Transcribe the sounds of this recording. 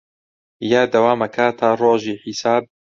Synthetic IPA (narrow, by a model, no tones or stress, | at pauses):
jaːd̪ɐwaːmɐkʰaːt̪ʰaːroːʒiːħisaːb̚